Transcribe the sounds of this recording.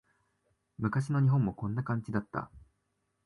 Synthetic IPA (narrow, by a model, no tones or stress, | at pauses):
mɯ̟kaɕ̬ino̞ɲ̟iɦõ̞mːo̞kõ̞nːakãɲ̟t͡ɕid̪at̪ːa̰